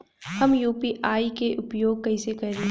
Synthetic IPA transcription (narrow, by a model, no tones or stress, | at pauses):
hɐmjuːpiʔaːikeʔʊpjoːɡ̚kɐɪsekɐɾe